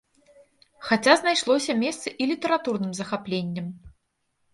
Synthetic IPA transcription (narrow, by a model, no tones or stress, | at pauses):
xat͡sʲaznajʂlˠɔsʲɐmʲɛst̪sɨʔilʲit̪ɐɾat̪urnɨmzɐxaplʲenʲːɛm